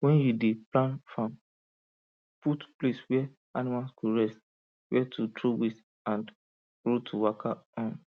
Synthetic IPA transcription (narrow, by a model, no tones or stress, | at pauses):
wɛ̃njudeplãnfãm | putpleswɛ | animalskuɹɛst | wɛtʰutɹowis | ãnd | ɹotʰuwakʰaɔ̃n